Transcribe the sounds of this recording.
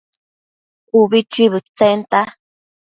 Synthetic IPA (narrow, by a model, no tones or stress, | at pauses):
uβit͡ʃiβɨt͡sent̪a